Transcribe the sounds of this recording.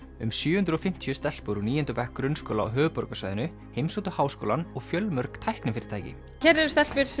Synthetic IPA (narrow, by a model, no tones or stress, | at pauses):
ʏmsjʏːʏnt̪ɾɔfɪm̥t̪ʰijʏst̪ɛl̥poɾuniːɛnt̪ʏpɛhkːɾʏnskowlaa̰wɦœːʏpɔɾkasaːjðɪnʏ | hejmsut̪ʏhaːwsko̰wlanɔɣfjœlmœɾkt̪ʰajhknɪmfɪɾɪɾ̥t̪ʰajcɪ̰ | çɛɾɛɾst̪ɛl̥pʏɾs